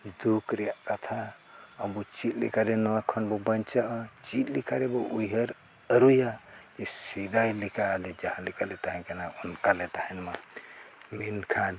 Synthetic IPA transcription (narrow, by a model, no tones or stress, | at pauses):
d̪ukɾekət̪ʰa | əmut͡ʃitlḭkaɾenowakʰənbɔbənt͡ʃat͡ʃit̪likaɾebɔuiɦeɾ | əɾujad͡ʒesid̪ajlikaled͡ʒaɦãlikalet̪aɦẽkenaunkalet̪aɦenma | minkʰan